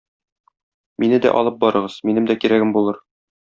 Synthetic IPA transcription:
minɘd̪æ̰ʔɒ̰lˠɤp̚bɒɾɤ̆ʁɤz̥minɘmd̪ækiɾæɡɘmbulˠɤɾ

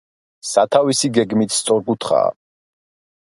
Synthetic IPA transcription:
sat̪ʰavisiɡɛɡmit̪ʰst̪sʼɔɾkut̪ʰχa̰ː

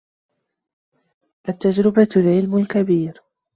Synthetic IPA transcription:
ʔat̪ːad͡ʒɾɪbalʕɪlmʊlkabiːɾ

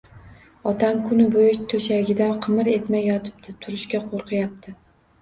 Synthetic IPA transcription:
ɒt̪ʰamkʰʊnɪbojɪʃt̪ʰoʃaɡʲɪd̪aqʰɨmɨɾe̞t̪majːɒt̪ʰɪ̥p̚t̪ʰɪt̪ʰʊɾɪʃkʲaqʰoɾqʰɨjap̚t̪ʰɪ

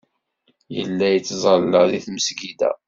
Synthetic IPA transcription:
jə̰lːæjət͡sːzˤəlːəðiθməsɡid̪æ̰

